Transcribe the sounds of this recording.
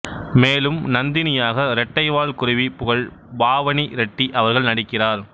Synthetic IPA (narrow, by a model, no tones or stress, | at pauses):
meːlɯmnɐnd̪ɪnɪjaːɣɐɾɛʈːɐɪʋaːlkʊrɪʋipʊɣɐɭ | baːʋɐniɾɛʈːiʔɐʋɐɾɣɐɭnɐɽɪkːɪraːɾ